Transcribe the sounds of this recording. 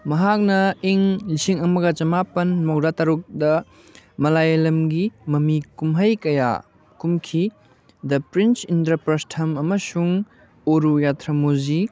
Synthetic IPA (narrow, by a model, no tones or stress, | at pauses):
mɐɦak̚nɐiŋlisiŋɐmɐɡɐt͡ʃɐmapɐnmɐwdatɐɾuk̚dɐ | mɐlajelɐmɡimɐmikumɦɐjkɐja̰ | kumkʰi | dɐpɾint͡ʃintɾɐpɾɐstʰɐmɐmɐsuŋ | oɾujatʰɾɐmozi